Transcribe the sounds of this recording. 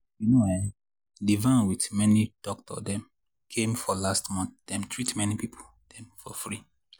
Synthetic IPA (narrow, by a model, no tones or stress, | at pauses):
junoa | divãnwitmɛnid̥ɔk̚tɔ̰dɛ̃m | kʰẽmfɔlastmɔ̃nθd̥ɛ̃mtʰɹitmɛnipipʰo | d̥ɛ̃mfɔfɹi